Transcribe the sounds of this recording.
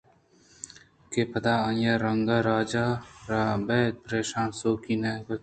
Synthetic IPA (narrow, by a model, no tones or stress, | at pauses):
kepɐd̪aːɐjaɾɐŋɡaːɾaːd͡ʒaːɾaːbeːt̪̚pɾeːʃaːnsoːkiːneːkɐ